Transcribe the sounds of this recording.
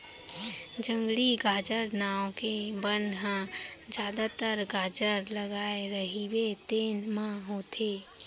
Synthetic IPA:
d͡ʒə̃ŋɡɽiɡʱaːd͡ʒəɾnaːõkebənɦãd͡ʒjaːd̪at̪əɾɡaːd͡ʒəɾləɡaːeɾəɦiwet̪eːnmãɦoːt̪ʰeː

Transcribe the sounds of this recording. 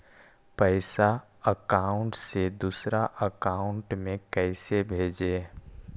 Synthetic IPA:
pəɪsa | əkaːʊ̃ɳʈsed̪usɾaʔəkaːʊ̃ɳʈmẽkɛɪsebʱeːd͡ʒeː

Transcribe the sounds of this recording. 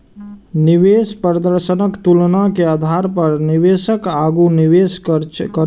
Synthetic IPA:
niʋeːspɾəd̪əɾʃənəkt̪ulnakeaːd̪ʱaːɾpəɾniʋeːʃəkaːɡuniʋeskə

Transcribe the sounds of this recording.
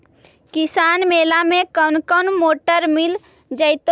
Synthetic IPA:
kisaːnmeːlamẽkənkənmoːʈəɾmil | d͡ʒəɪt̪o

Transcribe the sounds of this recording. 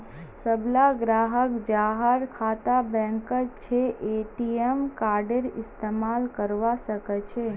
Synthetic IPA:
səblaɡɾaːɦəkd͡ʒaːɦəɾkʰaːt̪abɛ̃ːŋkət͡ʃʰeʔeʈiemkaːɾɖeɾɪst̪eːmaːlkəɾʋasəkət͡ʃʰe

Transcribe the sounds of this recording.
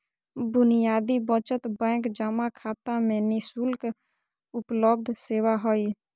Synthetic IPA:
bʊnijaːd̪ibət͡ʃət̪bɛ̃ːkd͡ʒəmakʰaːt̪ãmẽnɪsulk | ʊpləb̚d̪ʱseːwaɦoiː

